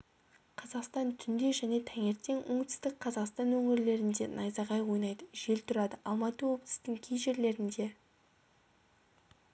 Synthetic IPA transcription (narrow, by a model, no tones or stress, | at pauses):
qʰɑzɑqst̪ɑnt̪ʰʏnd̪e̞ʒæne̞t̪ʰæŋe̞ɾt̪ːe̞ŋwoɴt̪ʰʏ̥st̪ɪk̚qʰɑzɑqst̪ɑnwɵŋɪɾle̞ɾɪnd̪e̞̰nɑjzɑʁɑjwo̞jnɑjd̪əʒe̞lt̪ʰʊɾɑd̪əʔɑlˠmɑt̪əwo̞blˠə̥st̪ɪŋkʲʰejʒe̞ɾle̞ɾɪnd̪e̞